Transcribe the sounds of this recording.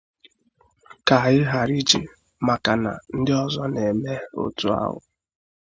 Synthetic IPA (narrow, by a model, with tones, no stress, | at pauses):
ka˨ɣɪ˦ɦa˨ɾi˦t͡ʃḭ˨ | ma˨ka˨na̰˨n̩˦dɪ˦ɔ˦zɔ˦ne˨me˦o̰˦tu˦a̰˦ɦʊ̰˨